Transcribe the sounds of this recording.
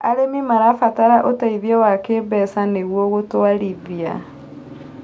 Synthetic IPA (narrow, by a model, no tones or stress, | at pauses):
aɾemimaɾafataɾaʔotaiðiɔwakeːbɛsaneɣwɔɣotoaliβia